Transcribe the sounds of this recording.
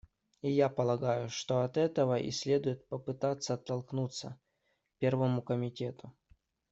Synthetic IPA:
ijapəlˠɐɡajʊʂt̪oɐt̪ɛt̪əvəʔɪ̰sʲlʲe̞d̪ʊjɪt̪̚pəpɨt̪at̪sːəɐt̪ːɐlˠknut̪sə̰ | pʲe̞rvəmʊkəmʲɪtʲe̞t̪ʊ

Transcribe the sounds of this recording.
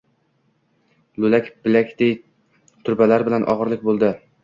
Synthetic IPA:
lulækʲbɪlækʲd̪̥ej | t̪ʰʊɾbælæɾbɪlænʔɒ̰ʁəɾlˠɪkʲbolˠd̪ɪ

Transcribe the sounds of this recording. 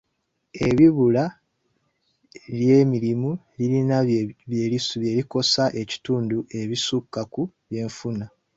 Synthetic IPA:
e̞βiβula | ljeːmiɾimu | liɾinaβjeliβje̞ːliko̞saʔe̞ci̥tuːnduʔe̞βisukːaku | βje̞ːɱfuna

